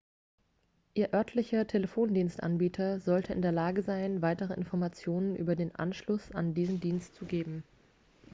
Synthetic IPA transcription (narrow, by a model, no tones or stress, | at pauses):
ʔiːɐʔœɐtʰlɪçɐtʰeləfoːndiːnstʔa̰nbiːtʰɐzɔltʰəʔɪ̰ndeːɐlaːɡəzaɪnvaɪtəʁ̞əʔɪ̰nfɔɐmat͡sjoːnənʔy̰ːbɐdeːnʔa̰nʃlʊsa̰ndiːzn̩diːnstt͡suɡeːbm̩